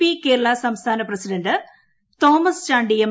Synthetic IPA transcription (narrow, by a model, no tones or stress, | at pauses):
ike̞ːɾɐɭasɐmst̪ʰaːnɐprɐsiɖɐndɨ | t̪oːmɐst͡ɕaːɳɖijɐm